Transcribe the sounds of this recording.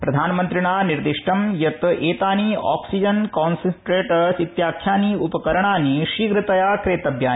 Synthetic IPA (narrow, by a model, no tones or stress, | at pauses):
pɾɐd̪ʱaːnɐmɐnt̪ɾiɳaːniɾd̪iʂʈɐmjɐt̪eːt̪aːniːa̰ːksid͡ʒɐnkaːnsɐnʈɾeːʈɐsit̪jaːkʰjaːniːupɐkɐɾɐɳaːniʃiːɡɾɨt̪ɐjaːkɾeːt̪ɐbjaːn